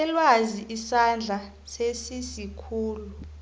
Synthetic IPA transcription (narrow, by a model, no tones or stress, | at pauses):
ɛlwaziʔisand͡ɮʱa | sesisikʰuːlu